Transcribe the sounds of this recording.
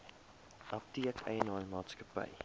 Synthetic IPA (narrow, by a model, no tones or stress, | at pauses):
ʔɐp̚tiəkʰə̰jənɑːnmɑːtskəpɐ̰j